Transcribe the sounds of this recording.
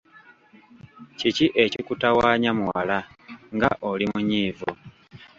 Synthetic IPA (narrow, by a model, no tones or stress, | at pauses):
ciciʔe̞cikutawaːɲamuwalaŋɡa̰ʔolimuɲiːvo